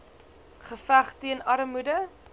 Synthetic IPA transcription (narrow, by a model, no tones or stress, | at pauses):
χəfæχtiənɐɾmudə